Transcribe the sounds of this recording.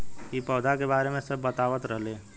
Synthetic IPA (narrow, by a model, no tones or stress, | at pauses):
kipɔːd̪ʱakebaːɾemẽsəbːət̪aːʋət̪ɾəɦlẽː